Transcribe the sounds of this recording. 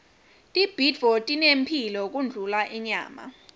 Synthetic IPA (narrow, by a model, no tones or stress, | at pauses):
tʼib̥ʱitv̥ɔtʼinempʰilɔk̬und͡ɮʱulaʔɛɲa̰ːma̰